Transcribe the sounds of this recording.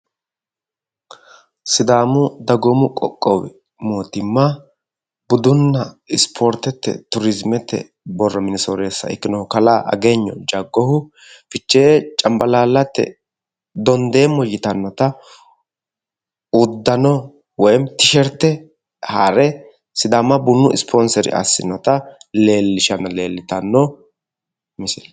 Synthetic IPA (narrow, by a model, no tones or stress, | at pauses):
sɪd̪aːmʊd̪ɐɡɔmʊkʼɔ̰kʼːɔwɛ | moːt̪ɪmːɐ | bʊd̪ʊnːɐɪspʰoːɾt̪ɛt̪ːɛ̰t̪ʊɾɪzmɛt̪ːɛ̰ | bɔrːɔmɪnɪsoːɾeːsːɐ̰ɪ̰kːɪnɔkɐlaːʔɐ̰ɡeːɲːɔ̰d͡ʒɐɡːɔhʊ | fɪt͡ʃːeːt͡ʃʼɐmbɐlaːlːɐt̪ːɛ̰ | d̪ɔnd̪eːmːɔjɪt̪ɐnːɔt̪ɐ | ʊd̪ːɐnɔ | wɔjmt̪ɪʃɛɾt̪ːɛ | haɾɛ | sɪd̪amɐbʊnːʊɪspʰɔnsɛɾɪ̰ʔɐ̰sːɪ̰nːɔt̪ɐle̞ːlːɪʃɐnɐle̞ːlːɪt̪ɐnːɔ | mɪsɪl